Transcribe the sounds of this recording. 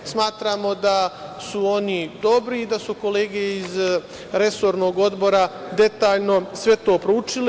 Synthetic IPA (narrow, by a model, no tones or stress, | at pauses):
smaːt̪ɾaːmo̞d̪asuo̞nid̪o̞bɾiːd̪asuko̞leːɡeiz | ɾe̞so̞ːɾno̞ːɡo̞d̪bo̞ɾad̪e̞t̪aːʎno̞sʋe̞t̪o̞ːpɾout͡ʃile